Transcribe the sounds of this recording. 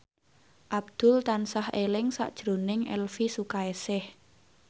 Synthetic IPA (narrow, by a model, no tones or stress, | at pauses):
ʔab̚d̪̥ʊ̤lt̪ansahelɪŋsa̰ʔd̥ʒ̥ɾo̤nɪŋɛ̰lfisukaesɪh